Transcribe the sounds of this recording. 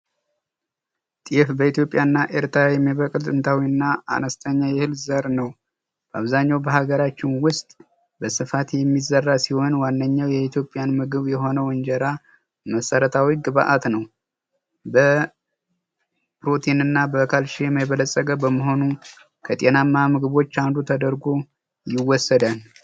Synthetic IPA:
t̪ʼijɛfbəit̪jo̞pʼjanːaʔɪɾt̪ʰajɛmːiβəkʼlt̪ʼɨnt̪ʰawiɨnːaa̰nəst̪ʰəɲːajɛhɨlzəɾnəw | b̥əaβzaɲːawbəɦaɡəɾat͡ʃːɪnwʊst̪ʼ | bəsɨfat̪jɛmːizərːasiho̞nwanːəɲːawjɛit̪ʰjo̞pʼːjanmɨɡɨβjɛɦo̞nəwɔnd͡ʒɛɾa | məsəɾət̪ʰawiɡɨβaʔat̪nəw | bə | pɾo̞t̪ʰinɨnːabəkʰalʃijɛmajβələsʼːəɡʼəbəməɦo̞nu | kʰət̪ʼe̞namːamɨɡɨβo̞t͡ʃːand̪ut̪ʰəd̪əɾɡo | jɪwːɔsːəd̪al

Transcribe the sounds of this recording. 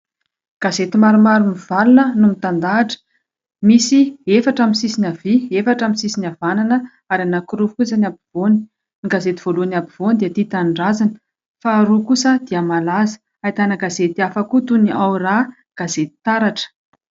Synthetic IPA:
ɡ̥azet̪imaɾumaɾumiv̥alunənumit̪and̪aːʈ͡ʂə̥ | misiefaʈ͡ʂamisisinʲaviefaʈ͡ʂamisisinavananə | aɾanakuɾufkuzanabiv̥oni̥ | niɡazet̪iv̥oluanabiv̥ond̪iət̪it̪aɳɖ͡ʐazanə̥ | faːɾukusəd̪̥iamalazə̥ | ajt̪anaɡazet̪iafakut̪uniawra | ɡ̥azet̪i̥t̪aɾaʈ͡ʂə̥

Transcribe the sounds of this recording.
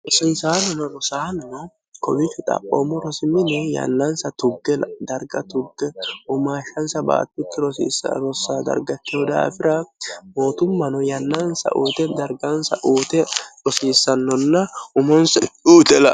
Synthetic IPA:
ɾɔsiːsaːnɔnɔɾɔsaːnɔnɔ | kɔbɪfɪt̪ʼɐ̰pʼːo̰ːmːɔɾɔsɪmːɪnɛjɐ̰nːɐnsɐt̪ʊɡːɛlɐd̪ɐɾɡɐt̪ʊɡːɛʊmaːʃːɐnsɐba̰ːt̪ːɪt̪ːɪɾɔsḭːsɐ̰ɾɔsːaːd̪ɐ̰ɾɡɐt̪ːɪod̪a̰ːfɪɾɐmo̞ːt̪ʊmːɐnɔjɐnːɐnsɐ̰ʔuːt̪ɛd̪ɐɾɡɐnsɐʔuːt̪ɛɾɔsiːsːɐnːɔnːɐʊmɔnsɐuːt̪ɛlɐ

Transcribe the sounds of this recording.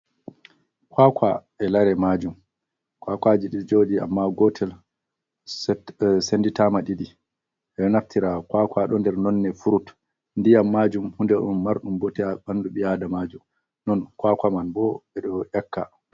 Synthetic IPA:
kwakwa̰ʔɛlaɾɛmad͡ʒum | kwakwad͡ʒiɗid͡ʒoːdia̰mːaɡɔtʰɛl | senditamaɗiɗi | ʔɛɗɔnaftʰiɾakwakwaɗɔndɛɾnɔnːɛfuɾut | ndijamːaːd͡ʒumhundɛɗumːaɾɗumbɔtɛaɓanduɓijadamad͡ʒum | nɔnkwakamanbɔɛɗɔjakʰːa̰

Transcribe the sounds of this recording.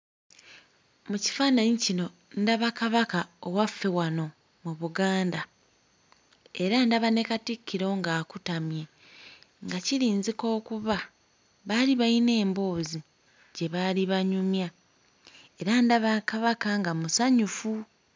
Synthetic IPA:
muci̥faːnaɲicino̞ | ndaβakaβakaowafːe̞wano̞ | muβuɡaːnda | eɾandaβane̞katikːiɾo̞ːŋɡaːkutamje̞ | ŋɡaciɾiːnziko̞ːkuβa | βaliβaine̞ːmbo̞ːzi | ɟe̞βaliβaɲumja | e̞ɾandaβakaβakaŋɡamusaɲufu

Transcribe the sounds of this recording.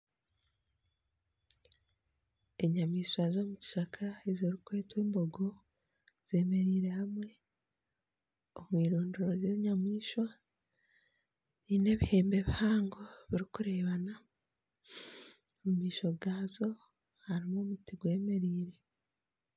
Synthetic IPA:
e̞ɲamiːʃwazo̞muci̥ʃakʰaezoɾikwe̞ːtwiːmbo̞ɡo̞ | z̥e̞ːme̞ɾiːɾe̞hamwe̞ | omwiːɾoːndoɾozeɲamiːʃwa | niːne̞βihe̞ːmbe̞βihaːŋɡo̞βiɾikuɾeːβana | omumiːʃo̞ɡaːzo̞ | haɾimomutiɡwe̞ːme̞ɾiːɾe̞

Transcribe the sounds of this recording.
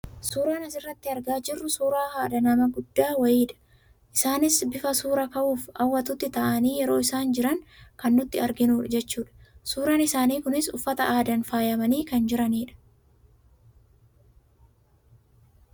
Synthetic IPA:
suːɾaːnɐsɪrːɐt̪ːɪɐɾɡaːd͡ʒɪrːʊsuːɾaːhaːd̪ɐnɐmɐɡʊd̪ːaːwɐjiːᶑɐ̥ | ʔɪsaːnɪsbɪfɐsuːɾɐkɐʔuːfɐwːɐt̪ʊt̪ːɪt̪ɐʔɐniːjɛɾo̞ːɪsaːnd͡ʒɪɾɐŋkɐnːʊt̪ːɪɐɾɡɪnuːᶑɐd͡ʒɛt͡ʃːuːᶑɐ̥suːɾaːnɪsaːniːkʊnɪsʊ̰fːɐt̪ɐʔaːd̪ɐnfaːjɐmɐniːkɐnd͡ʒɪɾɐniːᶑɐ̥

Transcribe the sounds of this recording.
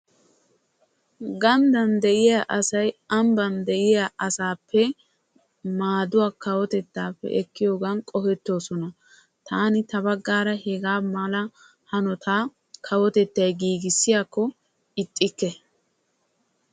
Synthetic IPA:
ɡɐnd̪ɐnd̪ɛʔɪjaʔɐsɐjɐmbɐnd̪ɛʔɪjaʔɐsaːpʰːɛ | maːd̪ʊwaːkɐwɔt̪ɛt̪ːaːpːɛ̰ʔɛkːɪjo̞ːɡɐnkʼɔfɛt̪ːo̞ːsɔnɐ | t̪ʰaːnɪt̪ɐbɐɡːaːɾɐhɛɡaːmɐlɐ | hɐnɔt̪ʰaː | kʰɐwɔt̪ɛt̪ːɐjɡiːɡɪsːɪjaːkːɔ | ɪt̪ʼːɪkːɛ

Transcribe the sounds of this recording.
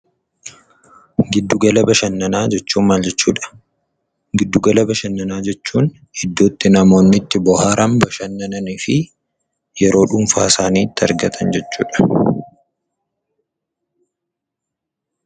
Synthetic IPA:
ɡɪd̪ːʊɡɐlɐbɐʃɐnːɐnaːd͡ʒɛt͡ʃːuːmmaːld͡ʒɛt͡ʃːṵːᶑɐ̥ | ɡɪd̪ːʊɡɐlɐbɐʃɐnːɐnaːd͡ʒɛt͡ʃːuːn | hɪd̪ːoːt̪ːɪnɐmo̞ːnːɪt̪ːɪbɔhaːɾɐmbɐʃɐnːɐnɐnɪfɪ | jɛɾo̞ːᶑʊmfaːsaːniːt̪ːɪɐ̰ɾɡɐt̪ʰɐnd͡ʒɛt͡ʃːṵːᶑɐ̥

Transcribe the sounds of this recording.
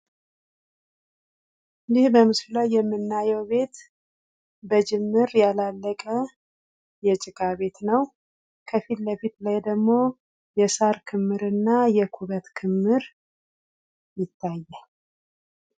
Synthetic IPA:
jɪhbəmɨslulajːɛmːɨnːajɛwbe̞t̪ | bəd͡ʒɪmːɨɾjalalːəkʼə | jɛt͡ʃʼɪkʼaβe̞t̪nəw | kʰəfit̪ləfit̪lajd̪əɡmo̞ | jɛsaɾkʰɨmːɨɾɨnːajɛkʰuβət̪kʰɨmːɨɾ | jɪt̪ʰːajːɛ

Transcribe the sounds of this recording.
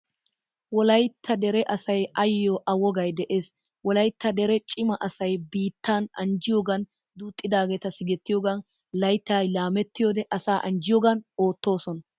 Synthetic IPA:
wɔlɐjt̪ʰːɐd̪ɛɾɛʔɐsɐjɐjːoːʔɐwɔɡɐjd̪ɛʔeːs | wɔlɐjt̪ːɐd̪ɛɾɛt͡ʃʼɪmɐʔɐsɐjbiːt̪ʰːaːnɐ̰nd͡ʒɪjoɡɐn | d̪uːt̪ʼːɪd̪aːɡeːt̪ɐsɪɡɛt̪ːɪjoːɡɐn | lɐjt̪ːaːlaːmɛt̪ːɪjoːd̪ɛʔɐsaːʔɐnd͡ʒɪjoːɡɐno̞ːt̪ːo̞ːsɔnɐ

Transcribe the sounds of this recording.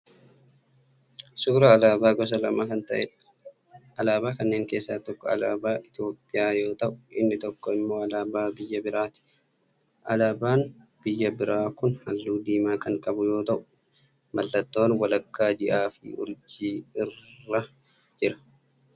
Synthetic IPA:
sʊɡɾɐːlaːbaːɡɔs̬ɐlɐmaːkɐnt̪ɐʔɛ̰ᶑɐ̥ | ʔɐlaːbaːkɐnːe̞ːŋke̞ːsːaːt̪ɔkːɔɐ̰laːbaːʔɪt̪ɪjo̞ːpʼːɪjaːjo̞ːt̪ɐʔʊ̥ʔɪnːɪt̪ɔkːɔɪmːo̞ːɐlaːbaːbɪjːɐbɪɾaːt̪ɪ̥ | ʔɐlaːbaːnb̥ɪjːɐbɪɾʔaːkʊnhɐlːuːd̪iːmaːkɐŋkʼɐbʊjo̞ːt̪ɐʔʊ̥ | mɐlːɐt̪ːo̞ːnwɐlɐkːaːd͡ʒɪʔaːfɪ̰ʔʊ̰ɾd͡ʒiːɪrːɐ | d͡ʒɪɾɐ̥

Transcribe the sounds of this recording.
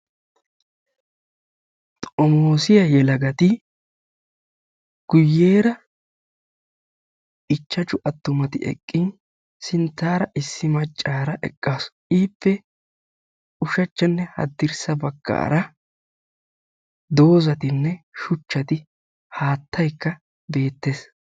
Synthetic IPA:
t̪ʼɔmoːsɪjɐjɛlɐɡɐt̪ɪ | ɡ̥ʊjːe̞ːɾɐ | ʔɪt͡ʃːɐt͡ʃʼʊʔɐt̪ːʊmɐt̪ɪʔɛ̰kʼːɪn | sɪnt̪ːaːɾɐʔɪsːɪmɐt͡ʃʼːaːɾɐʔɛ̰kʼːaːsʔiːpːɛ | ʊʃɐt͡ʃːɐnːɛhɐ̰d̪ːɪɾsɐbɐɡːa̰ːɾɐ | d̪o̞ːzɐt̪ɪnːɛʃʊt͡ʃːɐt̪ɪ | haːt̪ːɐjkːɐ | be̞ːt̪ːe̞ːs

